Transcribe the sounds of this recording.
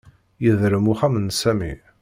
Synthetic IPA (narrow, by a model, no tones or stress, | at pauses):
jəðɾəmuχæmənsæmḭ